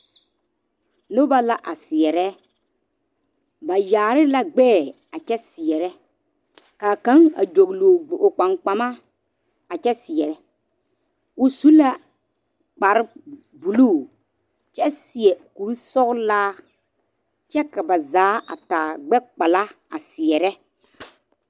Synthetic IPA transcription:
nʊ˦ba˦la˦ʔa˨sɪ˨ɛ˨ɾɛ˦ | ba˨jaː˨ɾɪ˦la˦ɡ͡bɛː˦˨ | a˨t͡ʃɛ˦sɪ˨ɛ˨ɾɛ˦ | kaː˨kã˨˦ŋa̰˨d͡ʒo˨ɡloː˨ɡ͡bʔo˨k͡pa˨ŋk͡pa˨ma˦ | a˨t͡ʃɛ˦sɪ˨ɛ˨ɾɛ˦ | ʊ˨su˦la˦ | k͡pa˨ɾɪ˦ | bu˨luː˦˨ | t͡ʃɛ˦sɪ˨ɛ˨ku˨ɾu˦sɔ˦ɣlaː˦ | t͡ʃɛ˦ka˨ba˨zaː˨˦a̰˨taː˨ɡ͡bɛ˦k͡pa˨la˦ | a˨sɪ˨ɛ˨ɾɛ˦

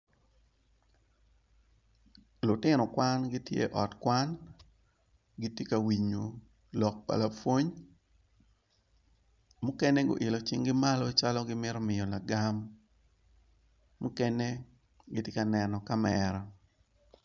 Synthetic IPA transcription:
lʊ˨tɪ˦nɔ˨kwa˦nɡɪ˦tjḛ˦ʔɔ˨tkwa˦n | ɡɪ˦tje˦ka˨wi˨ɲo˨ | lɔ˨k̚pa̰˨lapwo˦ɲ | mʊ˦kɛ˦ne˦ɡo̰˨ʔɪ˨lo˨t͡ʃɪ˦ŋɡɪ˦ma˦lɔ˦t͡ʃa˦lɔ˦ɡɪ˦mɪ˦ɾɔ˦mɪ˨jɔ˨la˨ɡam | ʊ˦kɛ˦ne˦ | ɡɪ˦tje˦ka˨nɛnɔ˨ka˦mɛɾa˨

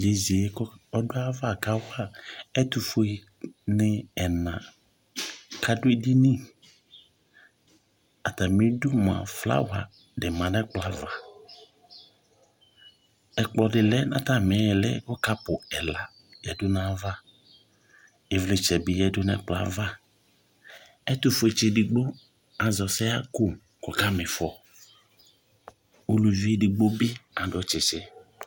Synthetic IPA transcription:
d͡ʒe˨zi˨ɛ˦kɔ˦ɔ˦dʊ˦a˦va˦˨ka˦wa˦ɛ˦t̪u˨fo˦i˦ | nɪ˦ɛ˨nã˨ | kʰa˦dʊ˦e˦di˦nĩ˦ | a˨t̪a˨mĩ˦dʊ˦mã̰˨fla̰˦wa̰˨ | dɪ˨mã˨nɛ˦k͡pla˨va˨ | ɛ˨k͡plɔ˨dɪ˨lɛ˦nã̰˦ta˦mɛ˨˦jɛ˨lɛ˦ɡɔ˦ka˦pʊ˨ɛ˨la˦ | jɛ˨dʊ˦nã˦va˦ | e˨vlɪ˨t͡ʃɛ˨bɪ˦jɛ˨dʊ˦nɛ̰˦k͡pla̰˦va˦ | ɛ˦tʊ˨fe˨t͡ʃɪ˨dɪ˨ɡ͡bo˦ | a˨zɔ˨sɛ˦a˦ku˦ | kɔ˨ka˦mɪ˨fɔ˨ | o˨lu˨vi˦e˦di˨ɡ͡bo˦bɪ˦ã˨dɔ˨t͡ʃɪ˨t͡ʃɪ˦

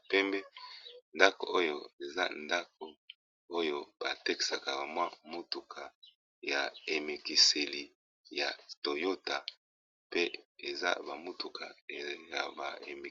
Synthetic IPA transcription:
pɛ˦mbɛ˦nda˦ko̰˨ʔo˦jo˦e˨za˦nda˦k̚o˨ | o˦jo˦b̥a˨te˦ki̥˨sa˨ka˨ba˨mwa˦mo˦tu˨kʰa˨ | ja˨e˨me˨ki˨se˨li˨ | ja˨to˨jo˦ta˨ | pe˦e˨za̰˦ba˨mo˦tu˨kʰa˨˦ja˨ba̰˨ḛ˨me˨

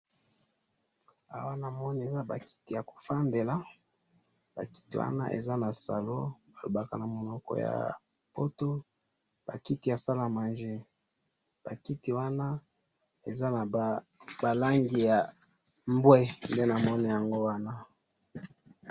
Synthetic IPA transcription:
a̰˨wa˦na˨mɔ˦n˨e˨za˦ba˨ki̥˦ti˨ja˨ko̥˨fa˦nde˨la˦ | b̥a˨ki̥˦tḭ˦wa̰˦na̰˦ʔḛ˨za˦na˨sa˨lo˦ | a˨lo̰˨ba˦ka˨na˨mo˨nɔ˦kɔ̰˦˨ja̰˨ | po˦to˦ | b̥a˨ki˦ti˨ja˨sa˦la˨ma˨nʒe˦ | b̥a˨ki˦ti˨wa˦na˦ | e˨za˦na˨ | ba˨la˦ŋɡi˨ja˨ | mbwɛ˦nde˦na˨mɔ˦ni˨ja˨ŋɡo˦wa˦na˦

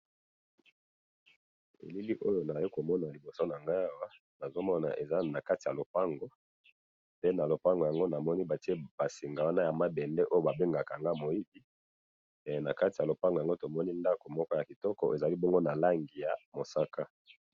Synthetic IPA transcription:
ḛ˨li˦li˦ʔo˦jo˨na˨ji˦ko˨mɔ˦na˨li˨bo˨so˦na˨ŋɡa˦a˦wa˦ | na˨zo˦mɔ˦na̰˨ʔe˨za˦na˨ka˦ti˨ja˨lo˨pa˦ŋɡo˨ | pe˦na˨lo˨pa˦ŋɡo˨ja˨ŋɡo˦na˨mɔ˦ni˦ba˨ti˦e˦b̥a˨si˨ŋɡa˨wa˦na˦ja˨ma˦bɛ˨ndɛ˦ʔo˦jo˦ba˨be˦ŋɡa˨ka˨ŋɡa˦˨mo˨ji˦bi˦˨ | na˨ka˦ti˨a˨lo˨pa˦ŋɡŋɡo˦to˨mɔ˦ni˦nda˦ko˨mɔ˦kɔ˦ja˨ki˨tɔ˦kɔ̰˨ʔe˨za˨li˦bɔ˦ŋɡo˦na˨la˦ŋɡi˨ja˨mo˨sa˦ka˦

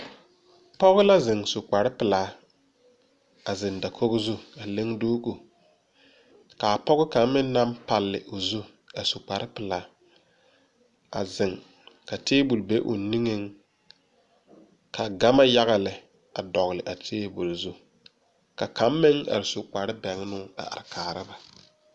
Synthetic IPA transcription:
pɔ˦ɣɪ˦la˦zɪ˨ŋsʊ˨k͡pa˨ɾɪ˦pɪ˨laː˦ | a˨zɪ˨nda˨kʰo˦ɣʊ˦zu˦a˨le˦ŋdoː˦ɡo˨ | ka˨pɔ˦ɣɪ˦ka˨˦mːɪ˦n˦na˦mpa˨lːɪ̰˨ʔo˨zu˦ | a˨sʊ˨k͡pa˨ɾɪ˦pɪ˨laː˨˦ | a˨zɪ˨ŋ | ka˨teː˦bu˨lbe˦ʔo̰˨ni˦ŋe˦ŋ | kʰa˨ɡa˦ma˦ja˦ɣa˨lɪ˨ | a˨dɔ˨ɣlɪ˨ʔa˨tʰeː˦bu˨lzu˦ | ka˨ka˦mː˦ɪ˦ŋa̰˨ɾɪ˨sʊ˨k͡pa˨ɾɪ˦bɛ˨ŋ˦nʊ˦a̰˨a̰˨ɾɪ˨kʰaː˨ɾɪ˦ba˨

